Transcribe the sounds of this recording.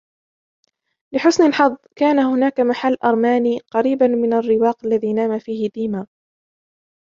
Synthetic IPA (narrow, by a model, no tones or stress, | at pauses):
lɪħʊsnalħɑðˤːkaːnahʊnaːkamaħalːʔɑɾˤmaːniːqɑɾiːbanmɪnarːɪwɑːqalːaðiːnaːmafiːhɪd̪iːmaː